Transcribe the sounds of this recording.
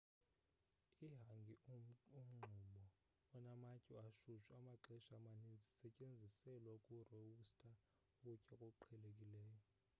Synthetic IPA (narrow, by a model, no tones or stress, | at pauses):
iɦaŋɡʱium̩ŋ͡ǃʱumɔ | ɔnamacʼiaʃuʃamaǁɛʃamanind͡zʱisɛcʼend͡zʱisɛlwakʼureustʼa | kucʼɛkʼɔǃʰɛlekʼilɛːjɔ